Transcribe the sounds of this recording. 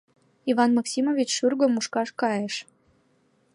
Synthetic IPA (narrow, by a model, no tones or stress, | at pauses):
ivɑnmɑksʲimovʲit͡ɕʃyrɣø̆muʃkɑʃkɑjəʃ